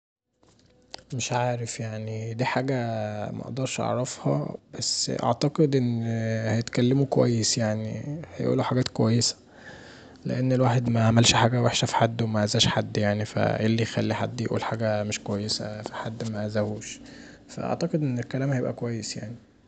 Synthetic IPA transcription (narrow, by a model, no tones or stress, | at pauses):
meʃʕaːɾefjaʕnid̪iːħaːɡæmʔæ̰ʔd̪ɑɾˤʃʔɑ̰ʕɾˤɑfhɑ̰bæsːʔɑ̰ʕt̪æqed̪ʔenːhæjet̪kælːemukowæ̰jːesjaʕnihæjʔṵːlːuħaɡæːt̪kowæjːesæ̥ | lḛʔenːelwaːħed̪mæaʕmælʃħaːɡæweħʃæfi̥ħad̪ːwemæʔæzæːʃħad̪ːjaʕnifæ̰ʔelːijxæ̰lːiħa̰d̪ːjeʔṵːlħaːɡæmeʃkowæjːesæ̰fiħad̪ːmæzæhuːʃ | fæ̰ʔɑ̰ʕt̪æqed̪ʔenːelkælæːmhæjebʔæ̰kowæjːesja̰ʕni